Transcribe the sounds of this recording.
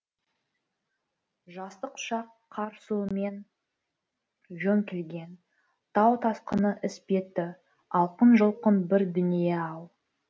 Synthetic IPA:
ʒɑst̪əqʊ̥ʃɑqʰːɑɾsume̞n | ʒɵŋkʲʰelɡʲe̞n | t̪ʰɑwt̪ʰɑsqənəʔɪspe̞t̪ːɪ | ɑlˠqənʒəlˠqənbɪɾd̪ʏnijeɑw̪ˠ

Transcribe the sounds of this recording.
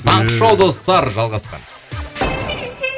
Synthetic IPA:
t̪ʰɑɴqəʃowˠd̪o̞st̪ɑɾʒɑlˠʁɑst̪ɑ̰məz̥

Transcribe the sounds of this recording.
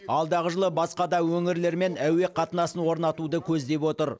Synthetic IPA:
ɑlˠd̪ɑʁəʒəlˠəbɑsqɑd̪ɑwɵŋɪɾle̞ɾme̞næwe̞qʰɑt̪ənɑsənwo̞ɾnɑt̪ud̪əkʲʰɵzd̪e̞pwo̞t̪əɾ

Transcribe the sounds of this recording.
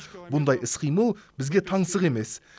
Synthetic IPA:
bʊnd̪ɑjʔɪsqʰijməlˠbɪzɡʲe̞t̪ʰɑɴsəʁe̞me̞s

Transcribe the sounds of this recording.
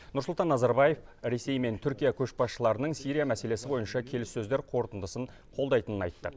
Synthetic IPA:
nʊɾsʊlt̪ɑnːɑzɑɾbɑje̞fɾe̞se̞jme̞nt̪ʰʏɾkʲijakʲʰɵʃbɑsʃəlˠɑɾənəɴsijɾijamæse̞le̞sɪbo̞jənʃɑkʲʰe̞lɪsːɵzd̪e̞ɾqʰo̞ɾt̪ənd̪əsəɴ | qʰo̞lˠd̪ɑjt̪ənənɑ̰jt̪ːə

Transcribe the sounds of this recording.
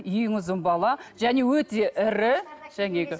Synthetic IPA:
ijɪŋʊzɪmbɑlˠɑʒ̥æne̞wɵt̪e̞ʔɪɾɪʒ̥æŋe̞ɡʲɪ

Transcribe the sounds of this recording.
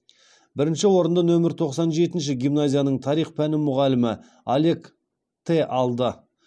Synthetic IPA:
bɪɾɪnʃɪwo̞ɾənd̪ənɵmɪɾt̪ʰo̞qsɑnʒe̞t̪ɪnʃ̬ɪɡʲijmnazʲijanəɴt̪ʰɑɾijχpʰænɪmʊʁɑlɪmɪ | alʲe̞k | t̪ʰe̞ʔɑlˠd̪ə

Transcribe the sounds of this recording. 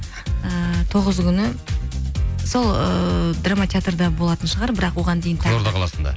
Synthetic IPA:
ət̪ʰo̞ʁəzkʲʰʏnɪ | so̞lˠəd̪ramat̪ʲeat̪rd̪ɑbo̞lˠɑt̪ənʃəʁɑɾbɪɾɑqwo̞ʁɑnd̪ejɪnʰoɾd̪ɑqʰɑlˠɑsənd̪ɑ̰

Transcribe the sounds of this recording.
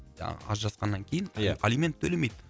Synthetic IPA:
ɑ̰ɑ̰zʒɑsqɑnːɑŋkʲʰejɪnjalʲimʲe̞nt̪ʰːɵle̞me̞jd̪ɪ

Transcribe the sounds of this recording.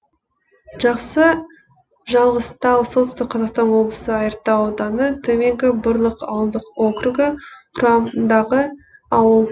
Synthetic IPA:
ʒ̥ɑqsə | ʒɑlˠʁəst̪ɑwsolt̪ʏst̪ɪq̚qʰɑzɑqst̪ɑnwo̞blˠəsəɑjəɾt̪ːɑod̪ɑnət̪ʰɵme̞ŋɡʲɪbʊɾlˠəqɑ̰wəlˠd̪əqokɾuɡʲɪqʰʊɾɑmd̪ɑʁəɑwəlˠ

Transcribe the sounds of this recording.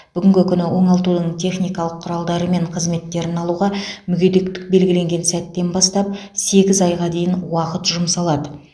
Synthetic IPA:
b̥ʏɡʲɪŋɡʲɪkʲʰʏnɪwo̞ɴɑlˠt̪ud̪əɴt̪ʰe̞χnijkɑlˠəqʰːʊɾɑlˠd̪ɑɾəme̞ɴqʰəzme̞t̪ːe̞ɾɪnɑlˠuʁɑmʏɡʲe̞d̪e̞kt̪ɪ̥k̚be̞lɡʲɪleŋɡʲe̞nsæt̪ːe̞nbɑst̪ɑp̚ | se̞ɡʲɪzɑjʁɑd̪e̞jɪnwɑqət̪ʒʊmsɑlˠɑd̪ə

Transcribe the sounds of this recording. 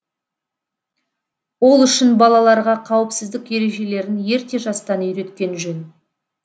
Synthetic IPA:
wo̞lˠʏʃɪnbɑlˠɑlˠɑɾʁɑqʰɑwəpsɪzd̪ɪkje̞ɾe̞ʒe̞le̞ɾɪnje̞ɾt̪e̞ʒɑst̪ɑnʏjɾe̞t̪kʲe̞nʒɵn

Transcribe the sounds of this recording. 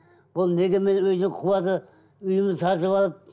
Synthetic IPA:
b̥ʊlˠne̞ɡʲeme̞nwɵznɪŋqʰʊwɑd̪ə | ʏjɪmt̪ʰɑɾʒəβɑlˠəp̚

